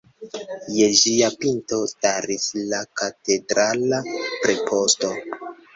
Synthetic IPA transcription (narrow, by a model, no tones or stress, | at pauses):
je̞ʒiapinto̞staɾislakate̞dɾalapɾepʰo̞sto̞